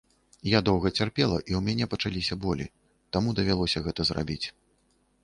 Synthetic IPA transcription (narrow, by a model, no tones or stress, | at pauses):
jad̪ɔwɣɐt͡sʲarpʲɛlˠɐʔiwmʲanʲɛpɐt͡ʂalʲisʲɐbɔlʲḭ | t̪amud̪ɐvʲalˠɔsʲɐɣɛt̪ɐzra̰bʲit͡sʲ